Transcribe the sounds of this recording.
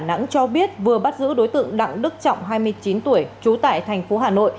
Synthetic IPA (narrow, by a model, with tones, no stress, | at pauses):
na̰˧˥ŋt͡ɕɔ˧ɓi˦˥ət̚vɨ˨˩əɓa˦˥t̚zɨ̰˧˥ɗo˨˦jt̪ɨ̰˧˨əŋɗa̰˧˨ŋɗɨ˦˥k̚t͡ɕɔ̰˧˨wŋ͡mɦaː˧jmɨ˧əjt͡ɕi˨˦nt̪u˧˩əjt͡ɕu˨˦t̪a̰ː˧˨jt̪ʰɛ˨˩jŋ̟fo˨˦ɦaː˨˩no̰˧˨j